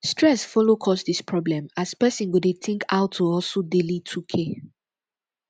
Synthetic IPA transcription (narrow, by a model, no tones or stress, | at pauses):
stɹɛsfɔlokʰɔsdispʰɹɔblɛ̃mazpɛsĩnɡudeθĩŋkʰaʊtʰːuɔsodelitʰukʰe